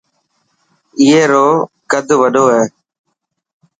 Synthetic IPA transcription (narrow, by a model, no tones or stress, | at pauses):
ɪːeːɾoːkəd̪ʱʋəɗoːɦɛː